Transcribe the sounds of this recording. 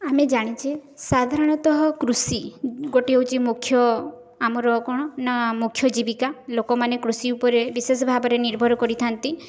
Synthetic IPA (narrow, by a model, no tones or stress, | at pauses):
amed͡ʒaɽ̃it͡ʃesad̪ʱaɾɔɽ̃ɔt̪ɔɦɔkɾusiɡoʈiewt͡ʃimukʰːjɔ | amɔɾɔkɔɽ̃ɔnamukʰjɔd͡ʒibikalokɔmanekɾusiupɔɾebisesɔbʱabɔɾeniɾbʱɔɾɔkɔɾit̪ʰant̪i